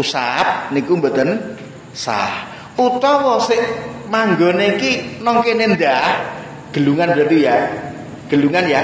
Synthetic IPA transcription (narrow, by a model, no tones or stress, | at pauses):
usap̚nikumbɔt̪ən | sa̰h | ut̪ɔwɔsɪʔmaŋɡɔneikinɔŋkenend̪a | ɡ̥ə̤luŋanbɾat̪uja | ɡ̥ə̤luŋanja